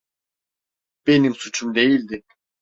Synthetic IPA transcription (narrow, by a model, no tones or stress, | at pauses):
b̥e̞nimsut͡ʃʰumd̪e̞jilʲd̪ɪ